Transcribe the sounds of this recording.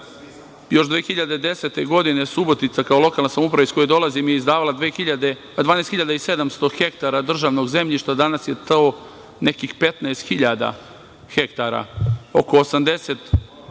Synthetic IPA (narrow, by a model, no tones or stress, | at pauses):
jo̞ʃd̪ʋeːxiʎad̪e̞d̪e̞se̞t̪e̞ɡo̞d̪ine̞subo̞t̪it̪sakaolˠo̞kalnasamoupɾaʋaisko̞jojd̪o̞lˠazimijeizd̪aːʋalad̪ʋexiʎad̪e | d̪ʋaːnest̪xiʎad̪aise̞d̪amst̪o̞xe̞kt̪aɾad̪r̩ʒaːʋno̞ɡze̞mʎiʃt̪ad̪anasje̞t̪ao | ne̞kixpe̞t̪naest̪xiʎad̪a̰ | xe̞kt̪aɾa̰oko̞ːsamd̪e̞se̞t̪